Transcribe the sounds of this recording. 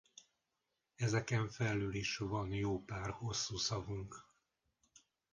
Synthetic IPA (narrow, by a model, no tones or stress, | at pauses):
ɛzɛkɛɱfɛlːøːliʃvɒnjoːpaːrho̞sːuːsɒvuŋk